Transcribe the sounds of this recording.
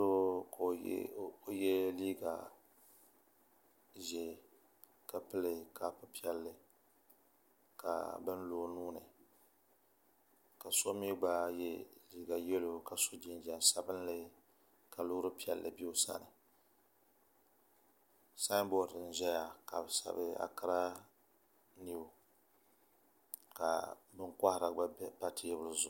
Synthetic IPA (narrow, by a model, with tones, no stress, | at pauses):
o˦ko˦jɛ˦liː˦ɡa̰˨ | ʒɛ˨ | ka˨pɨ˦lɨ˨ka˨pɨ˦pi˦ɛ˦lːɨ˨ | ka̰˨bɨ˦nloː˨nuː˦nɨ̰˨ | ka˨so˦mi˦ɡ͡ba˦jɛ˦li˨˦ɡa˨jɛ˦lo˨ka˨so˦d͡ʒi˦nd͡ʒɛ˨nsa˦bɨ˦nlɨ˦ | ka˨loː˦ɾɨ˦pi˦ɛ˨lːɨ̰˨bi˦o˦sa̰˦nɨ˨ | sa˦bɔ˦˨dɨ˨n˨ʒɛ˦ja˨ka˨bɨ˨sa̰˨bɨ˦a̰˨ka˦ɾa˦ | ni˦o˨ | ka̰˨bɨ˦ŋka˦hɾa˨ɡ͡ba˦pa˦tʰi˦ɛ˦bɨ˦lɨ˦zʊ˦